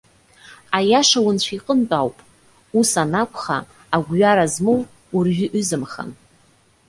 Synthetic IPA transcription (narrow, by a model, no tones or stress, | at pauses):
ajaʂawʊnt͡ɕʷʰiqʼənt͡pʼawpʼ | usanakʷʰʼχa̰ː | ɡʷɥaɾazmow | urɥᶣɪʔʏzɨmχa̰n